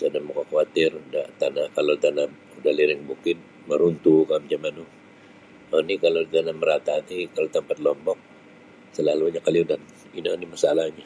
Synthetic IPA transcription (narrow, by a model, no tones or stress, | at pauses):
sadamukakawat̪ɪrdat̪anakalot̪ana | udaliɾɪŋbukɪt̪̚ | məɾunt̪ukamd͡ʒamanu | ənikalot̪anaməɾat̪at̪ikalat̪əmpat̪̚lɔmbɔk̚ | səlaluɲakaliudan | inanimasalahɲa